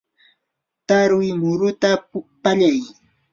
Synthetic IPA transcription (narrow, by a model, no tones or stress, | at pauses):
t̪aɾʊwjmʊɾʊt̪apaʎaj